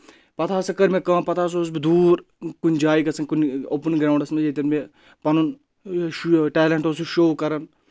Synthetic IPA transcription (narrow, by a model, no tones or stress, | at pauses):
pɐt̪ʰaːsɐkɐɾmẽkãːpɐt̪ʰaːs̬oːs̬bid̪uːɾ | kunʲd͡ʒaːikɐsɐŋkunoːpənɡɾaːɳɖɐsmed͡ʒet̪ɐɾme | pɐnun | ʃʈɛːleɳʈosuʃoːkɐɾɐn